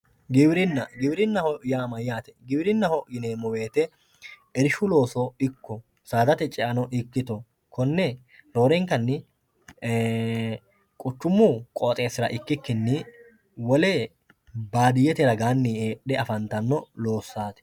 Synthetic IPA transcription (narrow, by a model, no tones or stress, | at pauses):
ɡɪbɾɪnːɐɡɪbɪɾɪnːɐhɔjaːmɐjaːt̪ɛɡɪbɪɾɪnːɐhɔjɪneːmɔwe̞ːt̪ɛ | ɛɾɪʃʊlo̞ːsɔɪkːɔ | saːd̪ɐt̪ɛt͡ʃʼɛʔɐnɔʔɪkːɪt̪ɔ | kʰɔnːɛ | ɾo̞ːɾɛŋkɐnːɪ | kʼʊt͡ʃːʊmːukʼoːt̪ʼe̞ːsɪɾɐʔɪkːɪkːɪnːɪ | wɔleː | baːd̪ɪjɛt̪ɛɾɐɡaːnːɪeːɗɛɐfɐnt̪ɐnːɔloːsːaːt̪ɛ̥